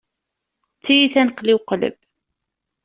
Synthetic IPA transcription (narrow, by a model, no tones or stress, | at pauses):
t͡sːijiθænəqliwqlə̰b